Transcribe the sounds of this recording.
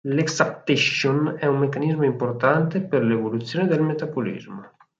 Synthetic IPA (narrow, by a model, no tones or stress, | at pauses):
leksap̚t̪eʃonɛumːekanizmoimport̪ant̪epeɾlevolut̪sjoːned̪elmet̪abolḭzmo